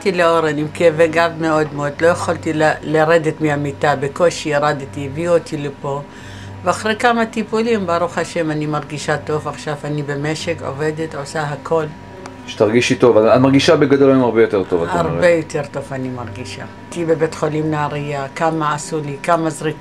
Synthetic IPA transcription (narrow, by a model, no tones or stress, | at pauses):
t̪ileoɾenimkeveɡavmeo̞d̪meod̪lo̞jaχalt̪illaʁedet̪miamit̪abeko̞ʃiaʁad̪t̪ieviot̪ʰilepo̞ | veaχʁejkamat̪ipulimbaʁuχhaʃe̞manimaʁɡiʃat̪o̞vaχʃavanibe̞meʃeko̰ve̞det̪osaɦakʰo̞l | ʃe̥t̪aʁɡiʃit̪o̞vaamaʁɡiʃabeɡad̪olaemaʁbejot̪eʁt̪ovataʁʁbe̞jo̞t̪eʁt̪o̞vanimaʁɡiʃa̰ | tibebet̪χolimnaːʁijakamaːsulikamazʁik